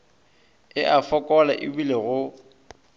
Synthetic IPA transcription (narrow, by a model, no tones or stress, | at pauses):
ɪʔafɔkʼɔlaʔɪbuleɣʊ